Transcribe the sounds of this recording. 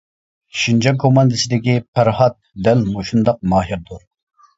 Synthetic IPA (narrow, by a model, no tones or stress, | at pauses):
ʃind͡ʒɑkʰːomɑnd̪ɨsɪd̪ɪkʲipʰæɾhɑt̪̚d̪ɛlmoʃund̪ɑq̚mɑːɦiɾd̪uɾ